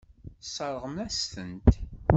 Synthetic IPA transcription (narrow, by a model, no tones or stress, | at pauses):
sˤəɾˤʁəmæst̪ənt̪